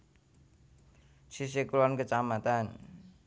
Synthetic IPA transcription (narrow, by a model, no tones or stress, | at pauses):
sis̬ekulɔnkət͡ʃamat̪an